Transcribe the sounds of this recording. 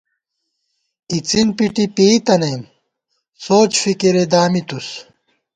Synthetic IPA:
kit͡sinpiʈipit̪ɐnɐim | soːt͡ɕfikiɾed̪aːmit̪us

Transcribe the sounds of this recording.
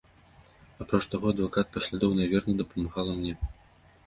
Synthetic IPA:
apɾɔt͡ʂt̪aɣɔɐd̪vakat̪̚pɐsʲlʲad̪ɔwnavʲɛrnɐd̪ɐpɐmaɣalˠɐmnʲɛ

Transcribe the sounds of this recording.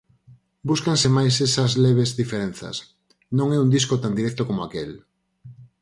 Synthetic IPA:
buskansemajsesɐzleβ̞ezðifeɾen̟θɐ̰s | nõŋɛund̪iskot̪and̪iɾɛkt̪okomoakel

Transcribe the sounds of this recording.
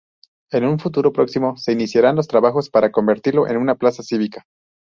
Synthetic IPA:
e̞nunfut̪uɾo̞pɾo̞ksimo̞se̞inisjaɾanlost̪ɾaβaxo̞spaɾako̞mbe̞ɾt̪iɾlo̞ʔe̞̰nunaplasasiβikḁ

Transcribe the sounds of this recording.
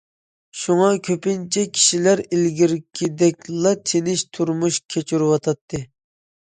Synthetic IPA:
ʃuŋɑkʲʰøpɪnt͡ʃʰɛkʲʰi̥ʃilæɾilɡʲiɾkʲʰid̪ɛkʲlˠɑt̪ʰenɪʃt̪ʰuɾmuʃkʲʰet͡ʃʰuɾwɑt̪ʰɑt̪ʰːɨ

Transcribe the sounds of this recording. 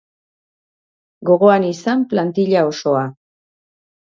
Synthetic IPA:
ɡo̞ɣo̞anisamplant̪iʎao̞so̞a

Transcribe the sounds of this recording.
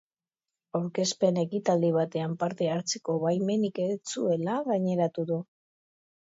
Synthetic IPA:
awɾke̞spe̞ne̞kit̪ald̪iβ̞at̪e̞ampaɾt̪e̞aɾt͡seko̞βajme̞niket͡sue̞laɣaɲe̞ɾat̪uðu

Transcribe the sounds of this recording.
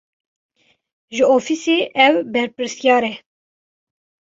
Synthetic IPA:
ʒɨofiseːʔɛwbɛɾpɨɾsjɑːɾɛ

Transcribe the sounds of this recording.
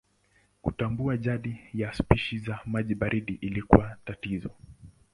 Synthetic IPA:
kutambuaʄaɗijaspiʃizamaʄiɓaɾiɗiʔilikṵwatatizɔ

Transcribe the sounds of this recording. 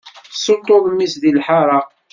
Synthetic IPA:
sət̪ˤːoðˤəmːisðilħɑɾˤɑ

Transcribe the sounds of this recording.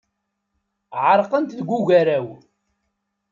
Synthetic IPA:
ʕəɾˤqənt̪ðɡʷːuʝæɾæw

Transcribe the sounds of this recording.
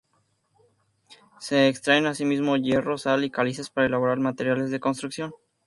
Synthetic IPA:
se̞ːkst̪ɾaenasimizmo̞ʝe̞ro̞salikalise̞spaɾae̞laβ̞o̞ɾaɾmat̪e̞ɾjale̞zðe̞ko̞ns̬t̪ɾuksjo̞n

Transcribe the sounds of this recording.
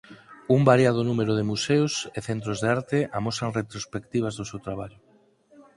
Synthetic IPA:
umbaɾjað̞onũmeɾoðemusewseθent̪ɾozðeaɾt̪eʔamosaŋret̪ɾospekt̪iβ̞azðosewt̪ɾaβ̞aʎʊ

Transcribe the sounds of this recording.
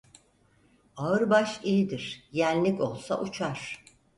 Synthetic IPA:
aɯɾbaʃijid̪iɾ̥jænʲlʲico̞lˠsa̰ʔut͡ʃʰaɾ̥

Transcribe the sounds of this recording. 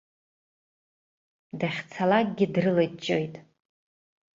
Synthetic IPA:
daχʲt͡sʰalakʼɡʲɪdrɨlat͡ʃʼojtʼ

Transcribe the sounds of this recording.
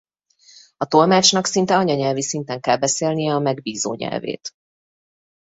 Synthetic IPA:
ɒt̪o̞lmaːt͡ʃnɒksint̪ɛɒɲɒɲɛlvisint̪ɛŋkɛlbɛseːlnijɛɒmɛɡbiːzoːɲɛ̰lvḛːt̪

